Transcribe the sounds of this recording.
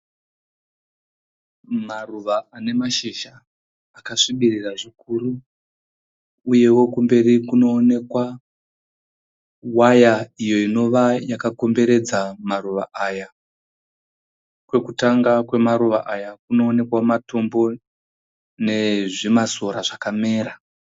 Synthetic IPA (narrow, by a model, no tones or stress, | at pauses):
maruʋaane̞maʃiʃaː | kaʂiɓiriraʐikuɾu | je̞wo̞kumbe̞rikuno̞ːne̞kwa | wajaijo̞ino̞ʋajakako̞mbe̞ɾe̞d͡zamaruʋa̰ʔaja | kwe̞kutaŋɡakwe̞maɾuʋa̰ʔajakuno̞ːne̞kwamato̞mbo̞ | ne̞ʐimasoɾaʐakame̞ːɾa